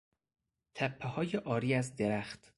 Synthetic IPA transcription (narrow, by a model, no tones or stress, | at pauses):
t̪ʰæpʰːehɒːjeʔɒːɾiːæzd̪e̞ɾæxt̪